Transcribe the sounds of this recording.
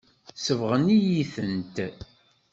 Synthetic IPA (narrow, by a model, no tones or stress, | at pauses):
səvʁənijiθənt̪